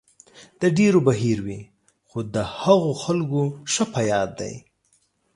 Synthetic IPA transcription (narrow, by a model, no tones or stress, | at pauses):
d̪əɖeɾobaɦiɾwi | xod̪əhaɣoxalɡoʃəpajɑd̪ːa̰j